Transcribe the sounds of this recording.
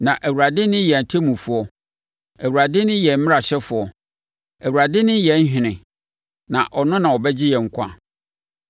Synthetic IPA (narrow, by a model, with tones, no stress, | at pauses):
nã˨ʔæ˨wu˨ɾa˨dɪ˦nɪ̃˦jɛ˨n˨tʰe˦mũ˨fu˦ɔ˦ | æ˨wu˨ɾa˨dɪ˦nɪ̃˦jɛ˨m̩˦mɪ̃˦a˨ɕɛ˦fʊ˨ɔ˨ | æ˨wu˨ɾa˨dɪ˦nɪ̃˦jɛ˨˦n̩˦ɕᶣɪ̃˨nɪ̃˨ | nã̰˨ʔɔ˨nʊ̃˦nã˨wɔ˨bɛ˦d͡ʑɪ˦jɛ˨ŋ̩˨kʷʰã̰˦